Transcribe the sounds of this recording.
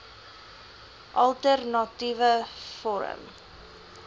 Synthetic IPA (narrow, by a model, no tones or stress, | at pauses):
ʔɐlˠtərnɑtivəfɔɾə̰m